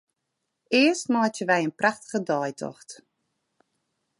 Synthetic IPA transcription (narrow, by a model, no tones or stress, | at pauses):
ɪəstmɔːtjəʋɛjənpraxtə̥ɣədɔːjtʰɔ̰xt